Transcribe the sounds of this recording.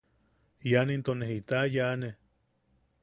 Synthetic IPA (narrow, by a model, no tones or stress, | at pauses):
janent̪oneɦit̪ajane